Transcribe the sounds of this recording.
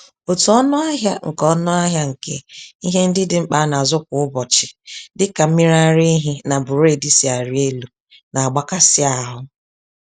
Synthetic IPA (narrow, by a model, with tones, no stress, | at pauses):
o˨tu˨ɔ˦nʊ˦a˦ɦja˦ŋ̩˨kɔ˦nʊ˦a˦ɦja˦ŋ̩˨kḛ˦i˦ɦe˦n̩˦dɪ˦dɪ˨ŋ͡m̩˦k͡pa˦na˨zʊ˦kʷʊ˦ʊ˦bɔ˨t͡ʃɪ˨dɪ˦ka˨m̩˦mi˦ɾa˦˨ɾɪ˦ɦɪ˦na˨bʊ˨ɾe˦˨di˦si˨a˨ɾɪ˦e˦lu˨ | na˨a˨ɡ͡ba˦ka˦sɪ˦a˨ɦʊ˦